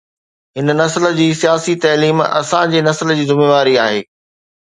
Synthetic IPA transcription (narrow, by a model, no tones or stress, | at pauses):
ɦɪnnɐsələ̆d͡ʑiːsijaːsit̪ɐːliːmɐ̰sãd͡ʑeːnɐsəld͡ʑiːzɪmeːʋaːɾiaːɦeː